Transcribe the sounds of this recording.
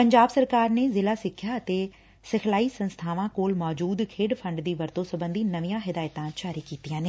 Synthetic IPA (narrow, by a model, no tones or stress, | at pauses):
pəɲd͡ʒaːbsəɾkaːɾneːzɪlaːsɪkʰːjaːət̪eː | sɪkʰlaːiːsə̃nst̪ʰaːʋãːkoːlmɔːd͡ʒuːd̪kʰeːɽpʰə̃ɳɖd̪iːʋəɾt̪õːsəbə̃nd̪iːnəʋijãːɦɪd̪aːjt̪ãːt͡ʃaːɾiːkiːt̪ijãːneː